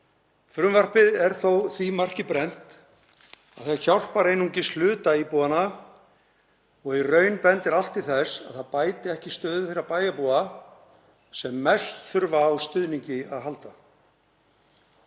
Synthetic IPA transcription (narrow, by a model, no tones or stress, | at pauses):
fɾʏmvar̥pɪðɛɾ̥θowθimar̥cɪpɾɛn̥t̪ | a̰ðθaçawr̥paɾejnuɲcɪslʏːt̪aipuːana | ɔɣirœːɥnpɛnt̪ɛɾal̥t̪iθɛsa̰ðθaðpaːjt̪ɪɛhcɪ̥st̪œːðʏθeɾːapaːjapuːa | sɛmːɛst̪θʏɾvaːwst̪ʏðniɲcɪaðɦalt̪a